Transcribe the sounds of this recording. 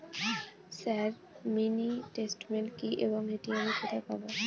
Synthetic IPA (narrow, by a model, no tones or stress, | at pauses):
saɾ | minitesʈmenkiʔḛbɔŋetianikʰɔt̪ʰapa̰bɔ